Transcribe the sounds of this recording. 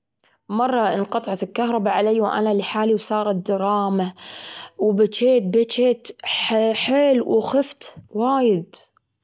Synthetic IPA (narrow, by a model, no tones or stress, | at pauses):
mɑrˤːɑʔɪnqɑt̪ˤɑʕɑt̪ɪlkaɦɾˤɑbaʕalaːwʔa̰naliħaːliwsˤɑːɾˤɑt̪d̪ɑɾˤɑːma | wbat͡ʃeːt̪̚bat͡ʃeːt̪ħħeːlwxɪft̪waːjɪd̪